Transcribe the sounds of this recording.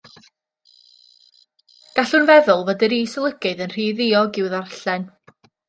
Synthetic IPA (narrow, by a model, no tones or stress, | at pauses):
ɡ̥aɬʊnvɛðʊlˠvədɪɾiːsəlˠəɡɨðənr̥iːðɪɔɡɪwðarɬɛn